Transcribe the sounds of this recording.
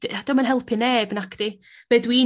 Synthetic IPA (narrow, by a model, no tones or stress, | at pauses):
ad̥ɔmanɦɛlˠpʰɪneːbnakʰd̥i | vɛːdwi